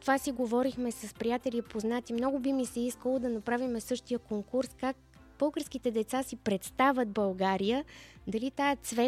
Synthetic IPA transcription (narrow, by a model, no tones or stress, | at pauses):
t̪ovasiɡovɔɾixmɛsɐspɾijat̪ɛlipoznat̪imnɔɡʊbimisɛiskəlˠod̪ɐnɐpɾavimɛsɤʃt̪ijəkoŋkuɾskak̚ | b̥ɤlˠɡəɾskit̪ɛd̪ɛt̪sasipɾɛt̪st̪avʲət̪̚bɐlˠɡaɾijəd̪ɐlit̪aɛt̪svɛ